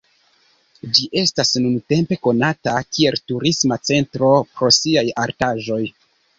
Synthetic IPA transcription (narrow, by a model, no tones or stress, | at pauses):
d͡ʒiʔe̞stasnunte̞mpe̞ko̞natakie̞ltuɾismat͡se̞ntɾo̞pɾo̞siajaɾtaʒo̞j